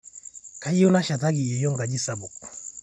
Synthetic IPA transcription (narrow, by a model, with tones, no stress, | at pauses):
ka˨˦i˦o˦na˦ʃa˨t̬a˦ɡi˨jɛ˨jɔ˦ŋɡa˨d͡ʒi˦sa˨bo˨k